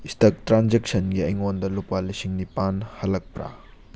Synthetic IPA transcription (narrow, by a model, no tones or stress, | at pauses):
istɐk̚tɾand͡ʒek̚sɐnɡiɐjŋondɐlupalisiŋnipanhɐlɐk̚pɾa̰